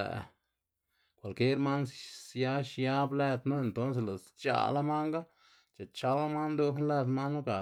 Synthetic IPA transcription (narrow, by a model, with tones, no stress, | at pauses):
ḛ˨ʔ | kʷa˨lke˦ɾma˦nsja˦ʃja˦ble˦˧t̪nu˦e˧˨nt̪o˦ns̬e˨la˨st͡ʃa̰˧˨la˦ma˦ŋɡa˦ | t͡ʃa˨t͡ʃa˧˦la˦ma˦nd̪o˧kn˦le˧t̪ma˦nːu˦ka˨